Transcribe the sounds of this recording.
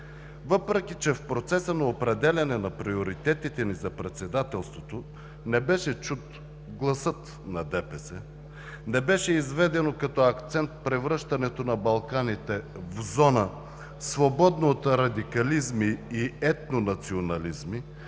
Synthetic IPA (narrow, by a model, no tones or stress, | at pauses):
vɤpɾɛk̟ʲit͡ʃɛfpɾot̪sɛsənɐopɾɛd̪ɛlʲɐnɛnɐpɾioɾit̪ɛt̪it̪ɛnizɐpɾɛt̪sɛd̪at̪ɛlˠst̪vot̪o | nɛbɛʃɛt͡ʃut̪ | ɡlˠɐsɤt̪ | nɐd̪ɛpɛsɛ | nɛbɛʃɛizvɛd̪ɛnokɐt̪ɔɐkt̪sɛnt̪̚pɾɛvɾɤʃt̪ɐnɛt̪onɐbɐlˠkanit̪ɛ | vzɔnə | svobɔd̪noːt̪ɾɐd̪ikɐlizmiːɛt̪̚nonɐt̪sionɐlizmi